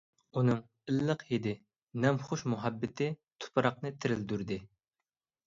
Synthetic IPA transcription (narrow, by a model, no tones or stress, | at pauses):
unɨŋ | ɪlːəqhed̪ɪ | nɛmχʊʃmuɦɛbːɪt̪ʰɪt̪ʰʊ̥pʰɨɾɑq̚nɨt̪ʰɪɾɪld̪yɾd̪ɪ